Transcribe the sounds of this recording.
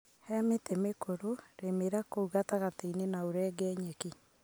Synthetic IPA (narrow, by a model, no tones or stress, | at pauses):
hɛmetemekoɾoɾemeɾakouɣataɣateinenaoɾɛːɡɛːɲeki